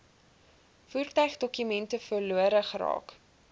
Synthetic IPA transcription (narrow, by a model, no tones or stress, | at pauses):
fuːrtœɥχdɔkymɛntəfərluəɾəχəɾɑ̰ːk